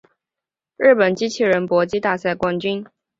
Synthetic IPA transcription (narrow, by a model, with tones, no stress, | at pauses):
ɻɻ̩˥˩pə˨˩nt͡ɕi˥t͡ɕʰi˥˩ɻə˧˦˥npwɔ˧˥t͡ɕi˥t̪a˥˧sa˥˩ɪkwa˥nt͡ɕy˥n